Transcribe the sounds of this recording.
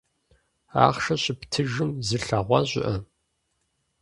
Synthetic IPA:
a̰ːχʃɐɕɪptʰɨʒɨmzɨɬɐʁʷɑ̰ʑʷɪ̰ʔɐ

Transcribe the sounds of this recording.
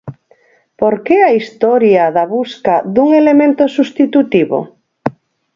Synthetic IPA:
poɾkeaist̪ɔɾjaðaβuskaðuŋelemẽnt̪osust̪it̪ut̪iβo̰

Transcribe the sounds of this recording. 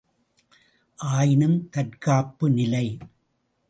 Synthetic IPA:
ʔaːjɪnɯmt̪ɐʈkaːpːɯnɪlɐɪ

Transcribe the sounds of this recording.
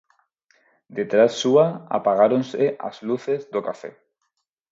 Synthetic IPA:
d̪et̪ɾasːuaa̰paɣaɾonseʔa̰zluθezd̪okafɛ̰

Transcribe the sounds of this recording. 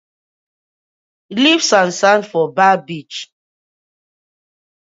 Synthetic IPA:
livsãnsãnfɔbabit͡ʃ

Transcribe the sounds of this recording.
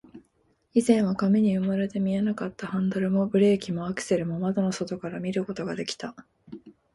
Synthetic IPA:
izẽ̞ɰ̃βakameɲ̟iɯ̟maɾe̞t̪e̞mʲie̞nakat̪ːahãnd̪aɾɯ̟mo̞bɯ̟ɾe̞ːkʲimo̞akɯ̟̥se̞ɾɯ̟momad̪ono̞so̞t̪o̞kaɾamʲiɾɯ̟ko̞t̪o̞ɡad̪e̞kʲi̥t̪a

